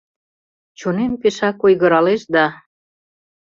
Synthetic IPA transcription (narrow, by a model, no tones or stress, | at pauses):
t͡ɕonempeʃɑkojɣə̆ɾɑleʃd̪ɑ